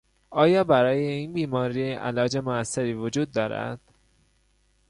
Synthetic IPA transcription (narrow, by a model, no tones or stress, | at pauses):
ʔɒːjɒːbæɾɒːje̞iːnbiːmɒːɾiʔæ̰lɒːd͡ʒe̞moæsːeɾiːvod͡ʒuːd̪̚ːɒːɾæ̰d̪̥